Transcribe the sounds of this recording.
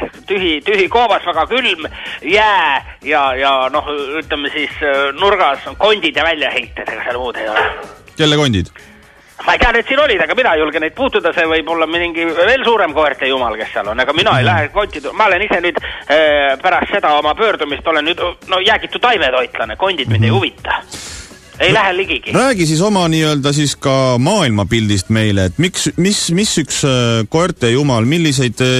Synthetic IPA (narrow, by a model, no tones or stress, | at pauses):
t̪yɦit̪yɦiko̞ːbɑsvæɡ̥ɑkylmjæː | jɑjɑno̞hyt̪lemːesisnurɡ̥ɑsko̞nʲd̪̥ʲid̪jɑvælʲjɑhe̞jt̪ˑːed̪ɑɡ̥ɑseɑlmuːd̪e̞jo̞̰lɛ̰kelːeko̞nʲd̪̥id̪ | mɑejt̪æɑlned̪siːnolʲid̪ɑɡɑminɑejulɡenejd̪̚puːt̪ːud̪ɑse̞vɤjbo̞lːɑminiŋɡive̞ːlsuːɾemkoert̪ːˑejumɑlke̞sːeɑ̰lo̞nːɑɡ̥ɑminɑejlæɦeko̞nʲt̪ːˑit̪umɑolenisenyːd̪̥ | pæɾɑst̪se̞d̪ɑo̞mɑpø̞ːrd̪̥umist̪o̞lennyːd̪nojæːɡit̪ːˑut̪ːɑjvet̪o̞jt̪lɑneko̞nʲd̪id̪minejhuvit̪ːɑ̥ | e̞jlæɦeliɡiɡ̥iræːɡis̬is̬o̞mɑniːøld̪ɑs̬iskɑmɑːilmɑpild̪̥ist̪me̞jleːt̪ːˑmiksmismisːyksko̞ert̪ːˑejumɑlmilːis̬e̞jd̪̥